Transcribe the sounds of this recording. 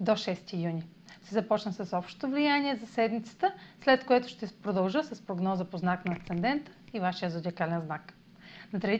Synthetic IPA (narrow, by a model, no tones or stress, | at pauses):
d̪oʃɛst̪ijunʲi | ʃt̪ɛzɐpɔt͡ʃnəsɐsɔpʃt̪o̥t̪ovlijanʲiɛzɐsɛd̪mit̪sə̥t̪əslɛt̪koɛt̪ʊʃt̪ɛpɾod̪ɐlˠʒɤsɐspɾoɡnɔzəpoznaknɐːkt̪sɛnd̪ɛnt̪ə̥ivaʃijəzod̪ʲikalɛnznak | nɐt̪ɾɛi